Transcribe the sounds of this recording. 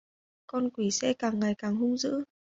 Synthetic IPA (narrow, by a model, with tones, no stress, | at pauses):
kɔ˧nkwi˧˩sɛ̰˧kaː˨˩ŋːa˨˩jkaː˨˩ŋɦʊ˧ŋ͡mzɨ̰˧˥